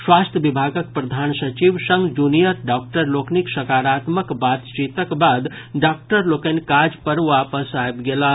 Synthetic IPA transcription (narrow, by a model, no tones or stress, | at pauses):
swast̪ʰjəbibʱaɡək̚pɾəd̪ʱansət͡ʃiʋsəŋɡd͡ʒunijət̪ɖak̚ʈəɾlokniksəkaɾat̪məkbat̪t͡ʃit̪əkbad̪ | ɖak̚ʈəɾlokenkad͡ʒpəɾʋapəsajbɡela